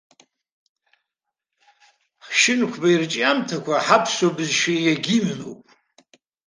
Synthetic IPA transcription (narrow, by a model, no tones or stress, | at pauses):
χʃɪnkʷʰbairt͡ʃʼamtʰakʷʰaħapʰsobɨzʃiaɡʲimno̰wpʼ